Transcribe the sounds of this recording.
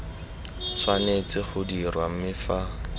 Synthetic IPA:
t͡sʰwanet͡sɪχʊdirwam̩mɪfa

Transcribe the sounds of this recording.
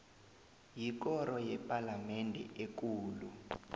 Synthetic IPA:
jik̬ɔɾɔjɛpʼalamɛndʱɛ̰ʔek̬uːlṵ

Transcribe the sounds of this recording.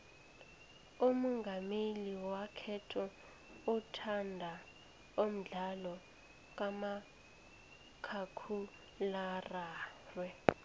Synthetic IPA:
umɔŋɡʱameliwakʰɛtʰɔ | utʰandʱa | om̩ɮalɔ | k̬ʼama | kʰakʰu | laraːrwɛ

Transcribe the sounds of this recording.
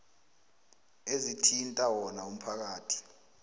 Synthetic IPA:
ezitʰintʼawɔnaum̩pʰak̬aːtʰi̥

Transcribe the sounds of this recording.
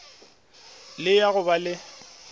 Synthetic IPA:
lɪjaɣʊbalɪ

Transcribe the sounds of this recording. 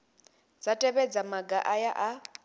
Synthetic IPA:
d͡zatʼɛβɛd͡zamaɡaʔajaʔa

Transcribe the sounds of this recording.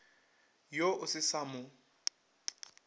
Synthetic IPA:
joʔʊsɪsamʊ

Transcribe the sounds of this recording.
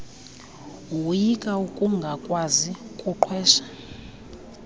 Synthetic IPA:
wujikʼaukʼuŋɡʱakʼwazikʼuǃʰwɛːʃḁ

